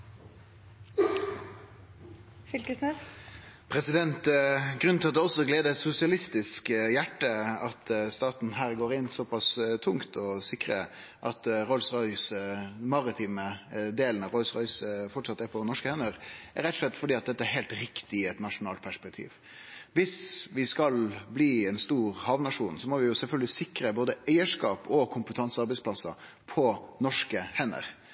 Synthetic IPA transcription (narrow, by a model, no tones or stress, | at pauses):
fʏlkəsnɛ | pʰɾɛsɪd̪ɛnt̪ɡɾʉnʰlɑt̪d̪ɛɔsːɔɔɡleːd̪əɛt̪sʊsɪɑlɪst̪ɪskjæʈːəɑt̪st̪ɑːt̪n̩ɦæːɾɡoːɾɪnsɔpɑst̪ʰʊŋt̪ʰɔsɪkɾə | ʔɑt̪ɾɔlsʁɔʏsmɑɾɪt̪ʰiːməd̪eːlən̩ɑʋɾɔlsʁɔʏsfɔʈʂɑt̪ːæɾpʰɔnɔʂkəhɛnːəɾæɾɛt̪ːɔslɛt̪ːfɔɖiːɑt̪̚d̪ɛt̪ːəæɾɦɛɪlt̪ɾɪkt̪ɪɛt̪nɑʂʊnɑːlt̪pʰæʂpɛk̚t̪ʰḭːʋ | ʋɪsʋɪskɑlbliːɛnst̪uːɾhɑʋnɑʂuːnsɔmɔʋɪjʊsɛlfœlɡəlɪsɪkɾəboːd̪əæɪəʂkɑːpʰɔkʰʊmpət̪ʰɑnsɑɾbɛɪsplɑsɑ | pʰɔnɔʂkəhɛnːə̰ɾ